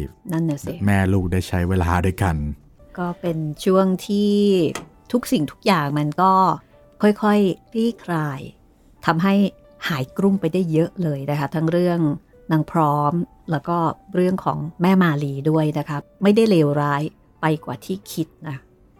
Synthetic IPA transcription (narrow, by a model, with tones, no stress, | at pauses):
na˥˩nːa˨˩si˧˩mɛː˥˩luː˥˩k̚daː˥˩jt͡ɕʰa˦˥jweː˧laː˧da˥˩jka˧n | kɔː˥˩pe˧nt͡ɕʰu˥˩əŋt̪ʰiː˥˩ | t̪ʰu˦˥k̚si˨˩ŋt̪ʰu̥˦˥k̚jaː˨˩ŋma˧nkɔː˥˩ | kʰɔ˥˩jkʰɔ˥˩jɾiː˥˩kʰɾaː˧j | t̪ʰa˧mɦa˥˩j | haː˩˦jkɾu˥˩mpa˧jda˥˩jːɤ˦˥ʔlɤː˧jna˦˥kʰa˦˥t̪ʰa˦˥ŋɾɯ˥˩əŋ | na˧ŋpʰɾɔː˦˥m | lɛː˦˥wkɔː˥˩ɾɯ˥˩əŋkʰɔː˩˦ŋmɛː˥˩maː˧liː˧du˥˩əjna˦˥kʰa˦˥ma˥˩jda˥˩jleː˧wɾaː˦˥j | pa˧jkwa̰ː˨˩t̪ʰiː˥˩kʰi˦˥t̪̚na˦˥